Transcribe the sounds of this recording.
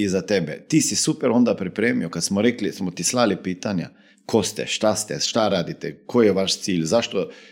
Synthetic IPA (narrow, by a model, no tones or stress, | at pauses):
izat̪ebḛt̪iːsisupeɾo̞nd̪apɾipɾeːmiokad̪smoɾeklismot̪islalipiːt̪aɲa̰ | kʰo̞st̪ɛ̰ʃt̪ast̪ɛʃt̪aɾaːd̪it̪ɛkojeʋaʃt̪siːʎzaʃt̪o